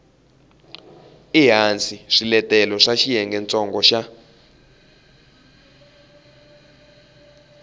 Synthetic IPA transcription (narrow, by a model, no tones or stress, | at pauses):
iɦant͡sʰʼiʂilɛtɛlɔʂaʃijɛŋɡɛnt͡sʼɔŋɡɔʃa